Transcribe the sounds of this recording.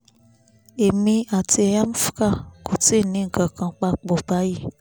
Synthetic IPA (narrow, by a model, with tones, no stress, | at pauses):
e˨mĩ˧a˨ti˧˦ja˦m˦fka˦˨ko˨te˦˨nĩ˨˦ŋ̩˨kã˨kã˧k͡pa˧k͡po˨ba˨˦ji˦˨